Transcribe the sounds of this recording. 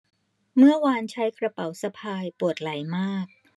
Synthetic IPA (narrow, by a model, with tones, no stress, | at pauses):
mɯ˥˩əwaː˧nt͡ɕʰa˦˥jkʰɾa˧pa˩˦wsa˧pʰaː˧jpu˨˩ət̪̚la˩˦jmaː˥˩k̚